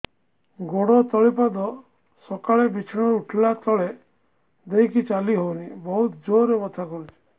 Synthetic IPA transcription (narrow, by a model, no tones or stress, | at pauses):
ɡoɽɔt̪ɔɭipad̪ɔ | sɔkaɭebit͡ʃʰiɽ̃ɔuʈʰlat̪ɔɭe | d̪ejkit͡ʃaliɦownibɔɦut̪d͡ʒoɾemɔt̪ʰakɔɾut͡ʃʰe̥